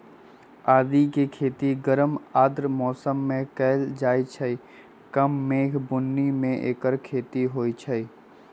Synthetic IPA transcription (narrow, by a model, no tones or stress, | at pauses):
aːd̪ikekʰeːt̪iɡəɾəmaːd̪ɾmɔːsəmːẽkɛːld͡ʒaːit͡ʃʰəi | kəmːeːkʰbʊnːimẽʔeːkəɾkʰeːt̪iɦoːit͡ʃʰəi